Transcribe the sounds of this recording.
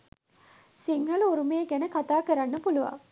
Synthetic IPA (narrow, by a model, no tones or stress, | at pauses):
siŋhɐluuɾumeːɡænəkat̪aːkəɾanːəpuluʋa̰